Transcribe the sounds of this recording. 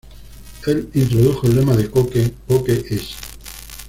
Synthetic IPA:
elint̪ɾoð̞uxoelːemaðekokekokeʔes

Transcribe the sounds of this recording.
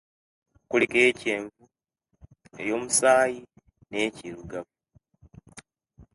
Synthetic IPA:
kulikeceːɱvu | e̞̰jo̞ːmusaːji | ne̞ːciɾuɡavu

